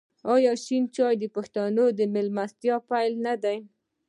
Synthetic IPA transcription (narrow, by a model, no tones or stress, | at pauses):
ɑjɑʃint͡ʃɑjd̪əpaxt̪anod̪əmɪlmast̪jɑpajlnad̪aj